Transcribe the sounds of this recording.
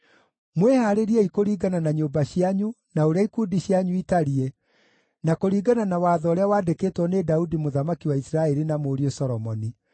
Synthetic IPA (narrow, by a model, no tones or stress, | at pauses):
mwehaɾeɾiɛikoɾiːɡananaɲoːbaɕiaɲu | naoɾaikuːdiɕjaɲuitaɾie | nakoɾiːɡananawaːðɔːɾeawaːdekeːtwɔnedaudimoðamakiwaisɾaɛɾinamoɾiosɔɾɔmɔni